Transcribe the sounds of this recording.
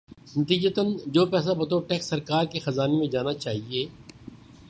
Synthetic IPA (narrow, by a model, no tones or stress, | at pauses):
nɐt̪iːd͡ʒət̪ənd͡ʒoːpɛːs̬abɐt̪oʈɛːksːɐɾkaːɾkexɐzaːnemẽd͡ʒaːnat͡ʃaːɦieː